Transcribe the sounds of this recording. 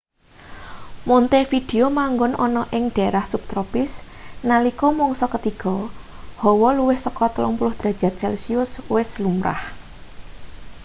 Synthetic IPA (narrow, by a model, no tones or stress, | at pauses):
mɔnt̪efid̪̥e̤omaŋɡʊnʔɔnɔʔɪŋɖ̥a̤ɾahsup̚t̪ɾɔpɪs | nalikɔmɔŋsɔkət̪iɡ̥ɔ | hɔwɔluwɪhsəkɔt̪əlɔŋpulʊhd̪̥ɾa̤̥ʒ̥a̤t̪̚t͡ʃɛlsiʊswɪslumɾa̰h